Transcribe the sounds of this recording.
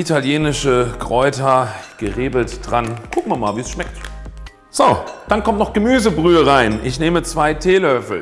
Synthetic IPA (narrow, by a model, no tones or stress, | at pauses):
ʔitʰaljeːnɪʃəkʁ̥ɔʏtʰɐɡ̥əʁeːbl̩td̥ʁankʰʊk̚maːɐmaːlviːsʃmɛk̚t | z̥od̥ankʰɔmtnɔχɡ̥əmyːzəbʁyːəʁaɪnʔɪçneːmət͡sv̥aɪtʰeːlœʏfl̩